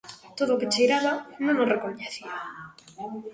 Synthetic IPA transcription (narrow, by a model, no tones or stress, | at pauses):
t̪oðʊːkɪt͡ʃejɾaβanõŋosrekoɲeθia